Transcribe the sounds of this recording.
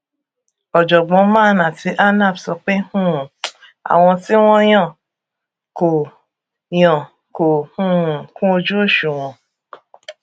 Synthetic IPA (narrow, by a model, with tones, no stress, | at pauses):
ɔ˨d͡ʒɔ˨ɡ͡bɔ̃˧˦mãː˦˧˨nã˨ti˧˦ʔa˦na˦˨bsɔ˧k͡pe˦hũ˦˨ | a̰˨w̃ɔ̃˧ti˦w̃ɔ̃˦j̃ɔ̃˦˨ | ko˨ | j̃ɔ̃˨ | ko˨hũ˦˨kũ˦o˧d͡ʒu˦o˦˨ʃu˨w̃ɔ̃˨